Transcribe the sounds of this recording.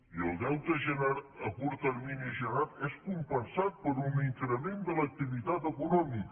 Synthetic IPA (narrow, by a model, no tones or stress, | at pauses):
iəlˠd̪ɛwt̪əʒənaɾəkuɾt̪əɾminiʒənat̪ɛskumpənsat̪̚pəɾuniŋkɾəmend̪ələk̚t̪iβit̪at̪əkunɔmik